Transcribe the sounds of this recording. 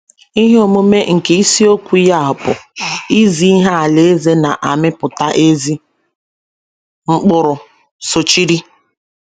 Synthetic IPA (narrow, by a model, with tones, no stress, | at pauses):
i˦ɦe˦o˨mo˦me˦ŋ̩˨ke˨i˦si˦o˦kʷu˨˦ja˦˨ɦʊ˨pʊ˨i˦zi˦i˦ɦa˦a˨le˨e˦ze˦na˨ʔa˨mɪ˦pʊ˨ta˦ʔe˦zi˦ | ŋ͡m̩˦k͡pʊ˦ɾʊ˨ | so˨t͡ʃi˦ɾi˦